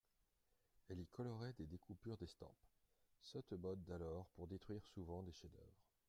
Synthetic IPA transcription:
ɛlikʰɔlɔʁɛd̪ed̪ekʰupyʁd̪est̪ɑ̰̃p | sɔt̪mɔd̪ːalɔʁpuʁd̪et̪χɥiʁsuvɑ̃d̪eʃed̪œ̰vʁ

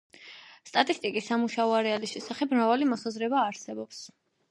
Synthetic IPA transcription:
st̪ʼat̪ʼist̪ʼikʼisːamuʃaɔaɾɛalisʃɛsaχɛb̚mɾavalimɔsazɾɛbaːɾsɛbɔps

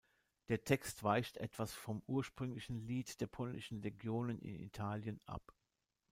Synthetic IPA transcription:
d̥eːɐtʰɛkstv̥aɪçtʔɛ̰tv̥asfɔmʔuːɐʃpʁ̥ʏŋlɪçn̩liːtd̥eːɐpʰɔlnɪʃn̩ʁeɡjoːnənɪ̰nḭtʰaːljənʔa̰p

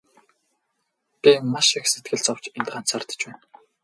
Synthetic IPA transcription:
pimːaʃikset̪̚ɡɘ̆ɮt͡sɔw̥t͡ɕent̪ɢan̥t͡saːrt̪ə̥̆t͡ɕpæːn

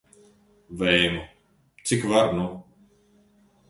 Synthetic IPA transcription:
vɛjmu | t̪sikvaɾnu

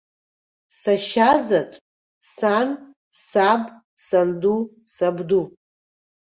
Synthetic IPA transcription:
saʃazatʼ | san | sabʼ | sandusabdu

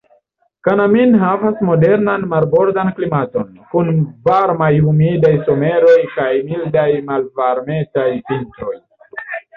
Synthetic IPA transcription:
kanaminɦavasmo̞de̞ɾnanmaɾbo̞ɾdanklimato̞nkunvaɾmajumidajso̞me̞ɾo̞jkajmildajmalvaɾme̞tajpintɾo̞j

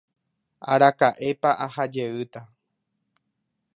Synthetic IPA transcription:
a̰ɾakaʔe̞paʔahad͡ʒe̞ɨt̪a

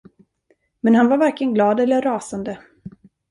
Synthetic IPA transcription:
mɛnhanvaɾvaɾkɪənɡlɑːd̪ɛlːəɾːɑːsand̪ə

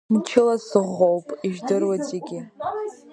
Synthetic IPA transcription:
mt͡ʃʰɪlasɨʁowpʼiʒdɨrwat͡sʼeɡʲɪ

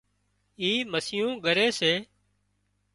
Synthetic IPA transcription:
iːməsɪjũːɠəɾeːseː

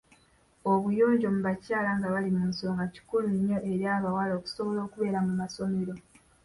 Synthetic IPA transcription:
o̞βujo̞ːɲɟo̞muβacaːlaŋɡaβalimuːnsoŋɡaci̥kuliɲːo̞ʔeɾiaβawaloːku̥so̞βo̞lo̞ːkuβe̞ɾamumaso̞me̞ɾo̞

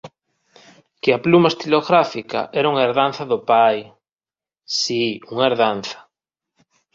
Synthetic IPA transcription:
kɪaplumɐest̪iloɣɾafikɐ̰ʔɛɾuŋaeɾðan̟θɐðʊpaj | siuŋaeɾðan̟θɐ̥

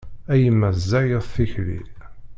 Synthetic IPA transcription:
æjəmːæzːæjəðˤθiçlḭ

